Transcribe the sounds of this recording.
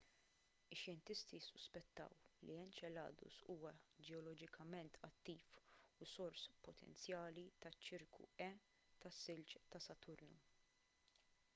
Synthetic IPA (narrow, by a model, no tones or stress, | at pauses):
ɪʃjɛnt̪ɪst̪isːʊspɛt̪ːɐ̰wliɛnt͡ʃɛlɐ̰ːd̪ʊ̰suːwɐd͡ʒɛɔlɔd͡ʒɪkʰɐmɛnt̪ʰɐt̪ːiːfusɔɾspɔt̪ʰɛ̰nt͡sjɐːlit̪ɐt͡ʃːɪɾkṵɛ | t̪ɐsːɪlt͡ʃt̪ɐsɐt̪ʊɾnu